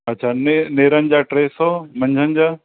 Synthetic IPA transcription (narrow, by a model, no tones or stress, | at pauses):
ɐtːɕʰʃʰaːneneːɾənɪd͡ʑaːʈɾeːsomɐ̃ɲd͡ʑʱənɪd͡ʑaː